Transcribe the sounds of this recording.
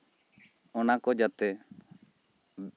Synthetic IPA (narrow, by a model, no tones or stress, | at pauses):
ɔnakɔd͡ʒat̪ɛ